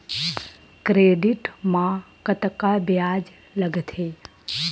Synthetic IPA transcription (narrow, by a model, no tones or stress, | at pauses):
kɾeːɖiʈmã | kət̪kabjad͡ʒ | ləɡt̪ʰe